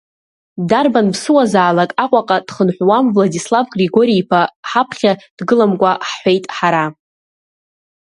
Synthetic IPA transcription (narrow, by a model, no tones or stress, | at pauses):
darbanbsɨwazaːlakʼaqʷʼaqʼad̥χənħʷwamvladislavɡriɡo̞ɾiipʰaħapʰχʲad̥ɡɨlamkʷʼaħħʷejtʼħaɾa